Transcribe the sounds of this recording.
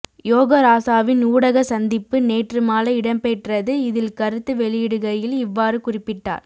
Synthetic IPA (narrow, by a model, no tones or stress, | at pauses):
joːɣɐɾaːsaːʋɪnuːɽɐɣɐsɐnd̪ɪpːɯneːʈrɯmaːlɐɪɽɐmpɛʈrɐðɯɪðɪlkɐɾɯt̪ːɯʋɛɭɪjɪɽɯɣɐjɪlɪʋːaːɾɯkʊrɪpːɪʈːa̰ːɾ